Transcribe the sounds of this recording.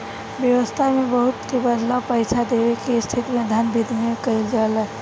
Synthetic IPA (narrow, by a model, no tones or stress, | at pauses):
bjəwəst̪ʰamebəɦut̪kebəd̪lapəjt͡ʃʰad̪ebekeːst̪ʰit̪imed̪ʱjanbid̪ʱmiekəɪld͡ʒalɛ